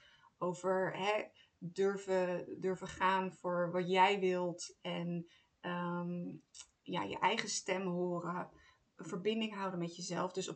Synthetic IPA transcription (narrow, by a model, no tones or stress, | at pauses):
owvəɹɦɛ | døɹvədøɹvəχaːnvʊːɹʋɑtjɛjʋɪlˠtɛn | ə | ja̰ːjə̰ʔɛjχəstɛmɦʊːrə | əvəɹbɪndɪŋɦɑwdənmɛtjəzɛlˠfdɵsɔ